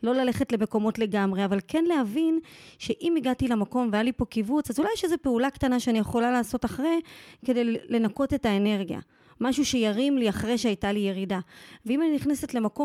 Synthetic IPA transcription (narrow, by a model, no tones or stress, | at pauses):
lo̞lale̞χetle̞me̞ko̞mo̞tle̞ɡamʁe̞avalke̞nleɦavinʃe̞ʔimiɡatilamako̞mveajalipo̞kivut͡sazulajeʃezepeulaktanaʃeanijeχo̞lalaːso̞taχʁeke̞dejle̞nako̞te̞taene̞ʁɡja̰ | maʃuʃejaʁimliaχʁeʃeajtalije̞ʁidaveimaniniχnesetle̞mako